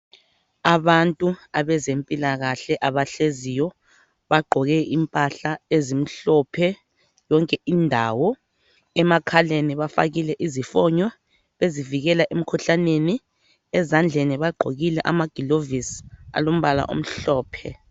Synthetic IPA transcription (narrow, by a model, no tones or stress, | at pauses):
aβantʼuaβɛzempʼilaɣaɬɛʔaβaɬezijɔ | βaɡ͡ǃʱɔɣɛʔimpʼaɬaezim̩ɬɔpʰɛ | jɔŋkʼɛʔindʱawɔ | ɛmakʰaleniβafa̰ɣilɛʔizifɔɲwɛ | βeziviɣɛlaʔem̩kʰuɬaneni | ɛzand͡ɮʱeniβaɡ͡ǃʱoɣilɛʔa̰maɡ̥ʱilovisa̰lom̩βala̰ʔo̰m̩ɬɔːpʰɛ̰